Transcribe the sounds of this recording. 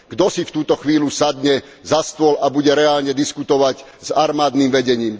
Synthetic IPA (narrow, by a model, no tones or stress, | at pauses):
ɡd̪ɔsift̪uːt̪ɔxʋiːlusad̪ɲɛ | zast̪ʊɔlabuɟɛɾɛaːlɲɛd̪iskut̪ɔʋaɟzaɾmaːd̪nimʋɛɟɛɲiːm